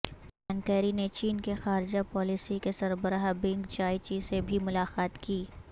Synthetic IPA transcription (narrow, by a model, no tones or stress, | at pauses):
d͡ʒaːnkɛːɾinet͡ʃiːnkexaːɾɪd͡ʒapɔːlisikesɐɾbəɾaɦbɪ̃ŋɡt͡ʃaːit͡ʃisebʱimʊlaːqaːt̪kiː